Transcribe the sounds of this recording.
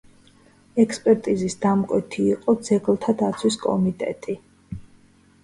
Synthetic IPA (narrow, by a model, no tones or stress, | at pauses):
ɛkspʼɛɾt̪ʼizisd̪amkʼwɛt̪ʰiːqʼɔd̪zɛɡlˠt̪ʰad̪at̪sʰwiskʼɔ̰mit̪ʼɛ̰t̪ʼi